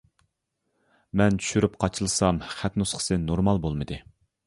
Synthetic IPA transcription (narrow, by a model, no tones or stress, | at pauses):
mɛnt͡ʃʰy̥ʃyɾypqʰɑt͡ʃʰɨlˠɨsɑmχæt̪nusqʰə̥sɨnoɾmɑlˠbolˠmɨd̪ɨ